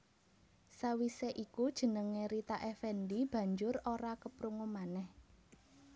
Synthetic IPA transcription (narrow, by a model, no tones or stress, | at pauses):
sawiseʔikud̥ʒ̥ə̤nəŋeɾit̪aʔɛfɛnd̪ib̥ä̤ɲd͡ʒʊroɾakəpɾuŋomanɛh